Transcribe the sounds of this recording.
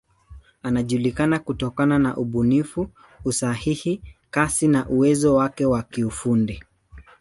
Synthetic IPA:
anaʄulikanakutɔkananaʔuɓunifuː | sahihikasinaʔuwɛzɔwakɛwakiufundi

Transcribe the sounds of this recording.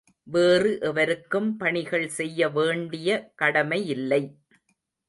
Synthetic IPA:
ʋeːrɯʔɛʋɐɾɯkːɯmpɐɳɪɣɐɭsɛjːɐʋeːɳɖɪjɐkɐɽɐmɐjɪlːɐɪ

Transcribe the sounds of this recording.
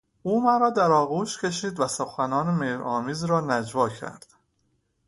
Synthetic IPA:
ʔuːmæɾɒːd̪æɾɒːɣuːʃcʰe̞ʃ̬iːd̪væsoxænɒːnemeːɾɒːmiːzɾɒːnæd͡ʒvɒːcʰæ̰ɾd̪̥

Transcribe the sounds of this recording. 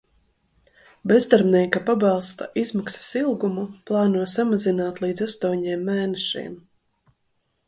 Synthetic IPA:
bɛzd̪aɾbnʲiːkapabɑlˠst̪a̰ʔizmaksḁsilˠɡumuplˠɑːnuɔsamazinaːt̪lˠiːd̪zast̪uɔɲɛːmːɛːnɛʃḭːm

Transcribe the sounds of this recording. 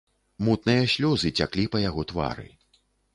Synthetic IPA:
mut̪nɨjɐsʲlʲɔzɨt͡sʲa̰klʲipɐjaɣɔt̪va̰ɾɨ̰

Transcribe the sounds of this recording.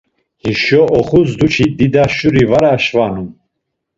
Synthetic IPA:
hiʃɔʔɔχuzd̪ut͡ʃʰid̪id̪aʃuɾivaɾaʃvanum

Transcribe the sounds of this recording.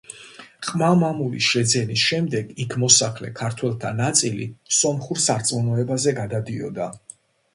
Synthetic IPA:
χʼmamamulḭʃɛd̪zɛnisʃɛmd̪ɛɡikʰmɔsaχlɛ̰kʰaɾt̪ʰwɛlˠt̪ʰanat̪sʼilḭsɔnχuɾsaɾt̪sʼmɔnɔɛbazɛɡad̪ad̪iɔ̰d̪a

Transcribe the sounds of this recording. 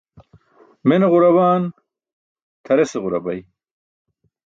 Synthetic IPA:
menʁuɾɐwaːn | t̪ʰɐɾeseʁuɾɐbɐj

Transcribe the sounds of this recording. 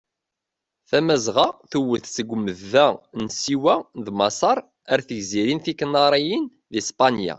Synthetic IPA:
θæmæzʁɑθuwəθsəɡʷməðːænsiwæðmɑsˤɑɾˤ | æɾθəʝziɾinθikːnɑɾˤijən | ðispɑnja̰

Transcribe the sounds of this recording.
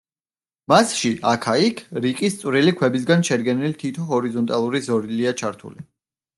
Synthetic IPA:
masʃiʔakʰaikʰɾiqʼist̪sʼwɾilikʰwɛbis̬ɡanʃɛdɡɛnilt̪ʰit̪ʰɔɦɔɾizɔnt̪ʼalˠuɾizɔɾiliat͡ʃʰaɾt̪ʰṵli

